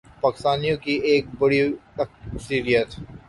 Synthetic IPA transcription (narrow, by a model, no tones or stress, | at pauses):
paːkɪst̪aːnijõkieːk̚bɐɽiɐksiɾijət̪